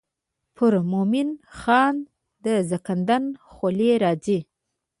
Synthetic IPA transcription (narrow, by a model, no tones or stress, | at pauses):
pʰʊɾmomɪnxɑn | d̪əzakand̪anxoleɾɑd͡ʒi